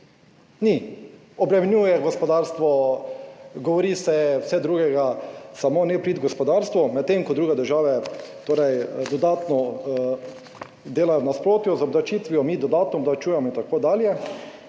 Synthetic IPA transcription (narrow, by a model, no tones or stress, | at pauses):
ni | ɔbɾɛmɛnjujɛɡɔspɔd̪aːɾst̪ʋɔ | ɡɔʋɔɾiːsɛwsɛd̪ɾuːɡɛɡasamoːnɛpɾiːt̪ɡɔspɔd̪aːɾst̪ʋɔmɛt̪ːemkɔd̪ɾuːɡɛd̪əɾʒaːʋɛt̪oːɾɛjd̪ɔd̪aːt̪nɔ | d̪eːlajɔnaspɾoːt̪juzɔblat͡ʃiːt̪ʋiɔmid̪ɔd̪aːt̪nɔːblat͡ʃuːjɛmɔint̪akoːd̪aːljɛ